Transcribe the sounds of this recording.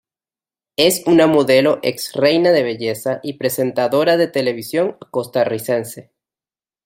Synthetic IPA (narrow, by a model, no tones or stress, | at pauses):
e̞sunamoðe̞lo̞ʔeksre̞jnaðe̞β̞e̞ʝe̞saʔipɾe̞se̞nt̪aðo̞ɾaðe̞t̪e̞le̞β̞isjo̞ŋko̞st̪arise̞nse̞